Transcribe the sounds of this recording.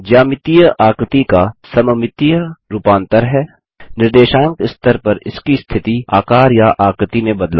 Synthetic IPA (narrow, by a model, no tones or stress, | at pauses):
d͡ʒaːmɪt̪ijəʔaːkɾt̪ikasɐməmɪt̪ijəɾupãːnt̪əɾɦɛː | nɪɾd̪eːʃãːŋkɪst̪əɾpɐɾɪ̰skist̪ʰɪt̪iaːkaːɾjaʔaːkɾɪt̪imẽbɐd̪la